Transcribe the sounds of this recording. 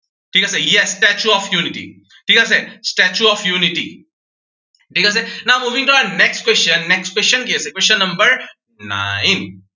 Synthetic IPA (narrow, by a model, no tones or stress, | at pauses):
ʈʰiːkasejɛsʈɛt͡ʃuɔːfjuːnɪʈḭ | ʈʰiːkas̬esʈɛt͡ʃuɔːfjuːnɪʈḭ | ʈiːkas̬enamuːʋĩŋʈuɐnɛksʈkwest͡ʃə̃nːɛksʈkwest͡ʃə̃nkiesekwest͡ʃə̃nːɐ̃mbəɾ | na̰ɪ̃n